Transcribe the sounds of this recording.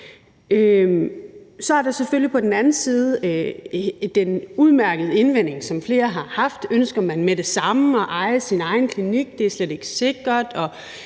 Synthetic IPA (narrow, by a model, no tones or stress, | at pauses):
ø | sɒ̽æɐɾ̥ɑ̈seføl̰jipʰɒ̽d̥n̩ænn̩siːð̞ˠ | d̥enuð̞ˠmæɐɡ̥əð̞̩ˠe̝nʋen̰e̝ŋsɒ̽mfle̝ːɐɦɑ̈hɑ̈fd̥ønsɡ̥ɐmænmeɾ̥e̝sɑ̈mɒ̽ʔɑ̈ɪsinɑ̈ɪn̩kʰliniɡ̥̚d̥e̝æɐsled̥e̝ɡ̥ə̥se̝ɡ̥ʁɐd̥ɒ̽